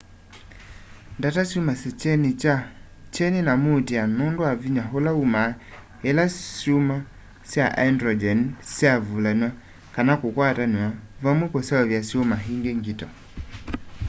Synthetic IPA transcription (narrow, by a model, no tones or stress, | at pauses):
ndatasjumasit͡ʃɛnit͡ʃa | t͡ʃɛninamutianɔndwaviɲaɦolauma | ɛlasjuma | sjaʔandɾɔd͡ʒɛnsjavulaniwa | kanakokwataniavamwɛkɔsaɔvjasjomaɦiŋɡeŋɡitɔ